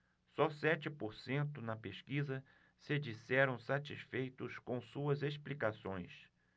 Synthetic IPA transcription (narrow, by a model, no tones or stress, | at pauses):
sɔsɛt͡ʃɪpoɾsẽnt̪ʊnɐpeʃkizɐ | sɪd͡ʒisɛɾɐ̃w̃sat͡ʃisfejt̪ʊskõw̃suɐzesplikasõj̃s